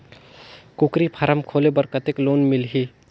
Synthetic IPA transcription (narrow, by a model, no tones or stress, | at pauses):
kukɾipʰəɾəmkʰolebəɾkət̪ekloːnmɪlɦi